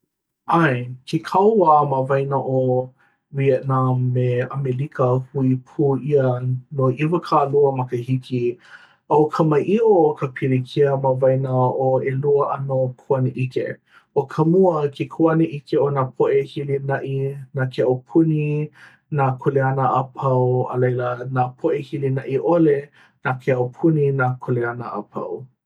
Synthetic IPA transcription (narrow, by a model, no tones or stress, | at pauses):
ʔajkʰikʰɐwwaːməvɐjnaʔo | wiənameɐmelikʰəhuipʰuːiənoʔivəkʰaluəmɐkəhiki | ɐwkʰɐmɐʔiʔokʰəpʰiɾekʰiəməvɐjnəoeluəʔɐnokʰuɐneʔikḛ | okʰɐmuəkʰekʰuɐneʔikʰeonaːpʰoʔehilinɐʔinaːkʰeowpʰuni | nakʰoleɐnəʔapʰɐwə̰lejlənaːpʰoʔehilinɐʔiʔole | nakʰeɐwpʰuninaːkʰoleɐnəʔa̰pʰɐ̰w